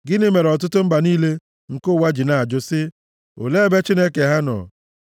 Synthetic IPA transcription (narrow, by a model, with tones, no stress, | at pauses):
ɡɪ˦nɪ˦me˨ɾɔ˨t̬ʊ˦tʊ˦m̩˦ba˨niː˦le˦ | ŋ̩˨kʊ˦˨wa˦d͡ʒi˨na˨a˨d͡ʒʊ˦sɪ˦ | o̰˨le˦be˦t͡ʃi˦ne˦ke˨ɦa˦nɔ̰˨